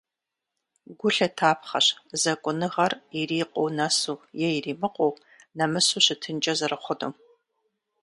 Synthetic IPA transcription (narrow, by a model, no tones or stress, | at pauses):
ɡʷʊɬɐtʰaːpʰχɐɕzɐkʷʼʊnɨʁɐririːqʼownasuːjɛjriːmɨqʷʼow | nɐmɨsuːɕɨtʰɨnt͡ʃʼɐzɐrɨχʷʊdo̰m